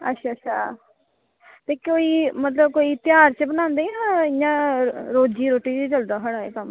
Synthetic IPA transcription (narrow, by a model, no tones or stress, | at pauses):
ə̰tːʃʰaːətːʃʰaː | t̪eːkoːiːmət̪ləb̚koːiːt̪jaːɾt͡ʃəbənãːnd̪eːiɦãːɪjãːɾoːd͡ʒiːɾoːʈiːd͡ʒed͡ʒəld̪aːɦəɽaːḛːkəm